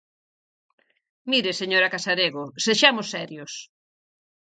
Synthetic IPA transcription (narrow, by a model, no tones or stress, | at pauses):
miɾeseɲoɾɐkasaɾeɣoseʃamʊsːɛɾjos